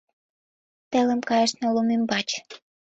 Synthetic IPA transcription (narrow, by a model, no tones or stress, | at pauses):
t̪ĕlə̆mkɑjəʃnolumimbɑt͡ɕ